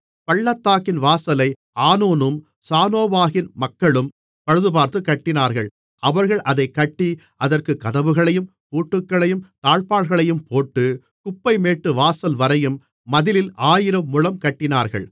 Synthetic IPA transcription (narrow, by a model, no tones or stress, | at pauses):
pɐɭːɐt̪ːaːkɪnʋaːsɐlɐɪ | aːnuːnɯm | saːnoːʋaːɣɪnmɐkːɐɭɯm | pɐɻɯðɯpaːɾt̪ɯkɐʈːɪnaːɾɣɐɭ | ɐʋɐɾɣɐɭʔɐðɐɪkːɐʈːi | ʔɐðɐrkɯkɐðɐʋɯɣɐɭɐjɯm | puːʈːɯkːɐɭɐjɯmt̪aːɭpaːɭɣɐɭɐjɯmpoːʈːɯ | kʊpːɐɪmeːʈːɯʋaːsɐlʋɐɾɐjɯmː | ɐðɪlɪlaːjɪɾɐmːʊɻɐmkɐʈːɪnaːɾɣɐ̰ɭ